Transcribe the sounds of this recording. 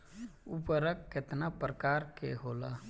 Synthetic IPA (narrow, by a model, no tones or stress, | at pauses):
upəɾəkːet̪napɾəkaːɾkḛɦoːla